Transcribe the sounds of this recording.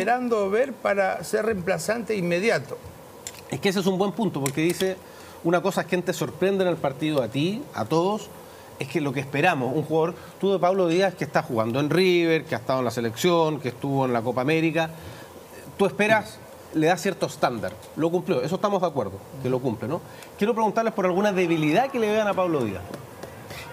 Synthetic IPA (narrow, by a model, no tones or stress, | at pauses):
eɾand̪oβeɾpaɾaseremplasant̪eimːeðjat̪o | ehkees̬es̬umbwempunt̪opo̞ɾk̬eðise | unako̞saekent̪eso̞ɾpɾe̞nd̪enelpaɾt̪iðoat̪ia̰t̪oð̞os | e̞skelo̞k̬ehspeɾamosuŋxuɣaðo̞ɾ | t̪uðepaβloðiaehkest̪axuɣand̪oenriβeɾkeast̪aðoenlase̞leksjoŋkeht̪uβoenlako̞paːme̞ɾika | t̪ue̞speɾas | le̞ðasje̞ɾt̪oest̪and̪a̰ɾ | lo̞kumpljo̞e̞s̬oe̥ht̪amo̞zðakwe̞ɾðokelo̞kumpleno | kjeɾop̬ɾeɣunt̪aɾle̞spoɾalɣunaðe̞β̞iliðakeleðeanapaβloðḭa̰s